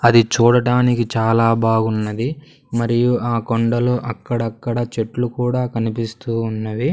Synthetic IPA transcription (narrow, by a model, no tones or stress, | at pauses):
ɐd̪it͡ʃuːɽɐʈaːnikit͡ʃaːlaːbaːɡunːɐd̪i | mɐɾijuaːkoɳɖɐloːʔɐkːɐɽɐkːɐɽɐt͡ʃe̞ʈlukuːɽaːkɐnipist̪uːunːɐʋi